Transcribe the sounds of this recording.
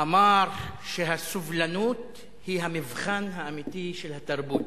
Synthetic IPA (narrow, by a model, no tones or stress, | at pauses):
ʔamɑːɾˤʃɪɦasʊvlanuːt̪ | hiːɦamɪvxanɦaʔamiːt̪iʃɪlhat̪ːɑɾˤbuːt̪